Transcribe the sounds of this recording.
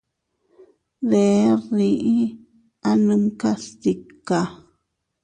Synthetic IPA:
ðe˨˦ɾi˧ʔi˦ | a˦nɨ̃˧mka˦st̪i˨ka˨

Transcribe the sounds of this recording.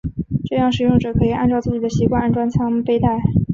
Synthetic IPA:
ʈ͡ʂɤ˥˧jɑ˥˩ŋʂɻ̩˨˩jʊ˥˩ŋʈ͡ʂɤ˨˩kʰɤ˧˥i˨˩ʔa̰˥˧nʈ͡ʂɑ˥˧ʊt͡sɹ̩˥˩t͡ɕi˨˩d̪ə˦ɕi˧˥kwa˥˧na˥nʈ͡ʂwa˥nt͡sʰɑ˥ŋ˧pe˥ɪt̪a˥˩ɪ

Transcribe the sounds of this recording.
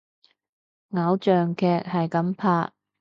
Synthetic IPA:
ŋɐ˨˥wt͡ʃœː˨ŋkʰɛː˨˧k̚hɐ˨jkɐ˨˥mpʰaː˧t̚

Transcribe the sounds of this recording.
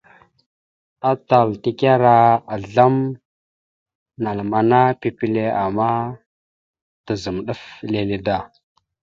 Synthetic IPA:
a˦ta˨lti˦ka˦ɾa˦a˨ɮa˦m | na˨lma˨na˦pi˨pi˦le˦a˨ma˦ | tə˨zə˨mɗu˦fle˨li˨da˦˨

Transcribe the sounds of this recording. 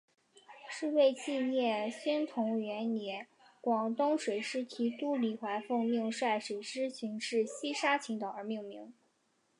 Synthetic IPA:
ʂɻ̩˥˧we˥˧ɪt͡ɕʰi˥˧njɛ˥˩ɕy˥nt̪ʰʊ˧˥ŋɥɛ˧˥nnjɛ˧˥ | kwɑ˨˩ŋt̪ʊ˥ŋʂwe˨˩ɪʂɻ̩˥t̪ʰi˧˥t̪u˥˩li˨˩xwa˧˥ɪfɤ˥˧ŋmi˥˧ŋʂwa˥˩ɪʂwe˨˩ɪʈ͡ʂɻ̩˥ɕʰi˧˥ŋʂɻ̩˥˩ɕi˥ʂa˥t͡ɕʰi˧˥ŋt̪ə˨˩ə˞˧˥mi˥˩˧ŋmi˧˥ŋ

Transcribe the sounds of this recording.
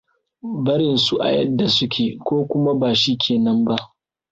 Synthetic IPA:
bɐ˦ɽɪ˨nsu˦˨ʔa̰˨jɐ˦dːa˨sʊ˦kʲʰeː˨kʷoː˦kʷʊ˦ma˦baː˨ʃi˦kʲʰeː˨nɐ˦mba˦ʔ

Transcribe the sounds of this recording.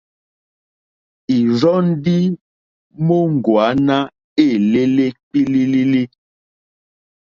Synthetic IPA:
i˨zɔ˦n̩˦di˦ | mo˦ŋ̩˨ɡwa˨˦na˦ | e˦˨le˦le˦k͡pi˦li˦li˦li˦

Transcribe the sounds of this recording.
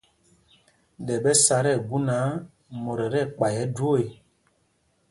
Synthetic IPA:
ɗɛ˨ɓɛ˦sa˨ɾɛ˦˨ɡu˦na˨˦ | mɔ˨ɾɛ˨ɾɛ˦˨k͡pa˨jɛ˦dwo˦˨e˨

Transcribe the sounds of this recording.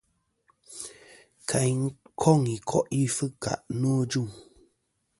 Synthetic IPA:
kʰa˨jŋ̩˦kʰɔ˦˨ŋi˨kʰɔ˦ʔi˦fɨ˦ka̰˨ʔnu˦d͡ʒu˦˨ŋ

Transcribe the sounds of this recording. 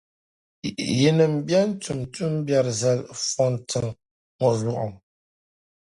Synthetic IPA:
je˨nə˨m̩˨˦bja˦n̩˦tu˨mtu˦m˦bja˦ɾza˦˨lfɔ˦ntɨ˨ŋ | ŋɔ˨ju˦˨ʔɔ̰˨m

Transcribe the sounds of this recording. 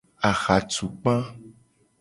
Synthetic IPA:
a˨xa˨tu˨k͡pã˦

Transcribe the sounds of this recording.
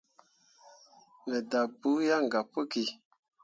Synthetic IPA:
mɛ˨da˨bu˨˦ja˦ŋ˨ɡa˨po˦ki˨

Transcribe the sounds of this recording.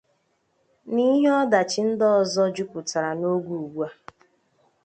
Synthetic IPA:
ni˦ɦe˦ɔ˦da˨t͡ʃi˦n̩˦dɔ˦˨zɔ˦d͡ʒu˦kʊ˨ta˨ɾa˨no˦ɡʷu˨u˨ɡ͡bu˦a˦

